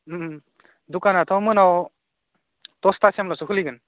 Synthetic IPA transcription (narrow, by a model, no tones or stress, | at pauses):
dukanatʰɔwmɯnaw | tɔstasiamlasukʰɯliɡɯn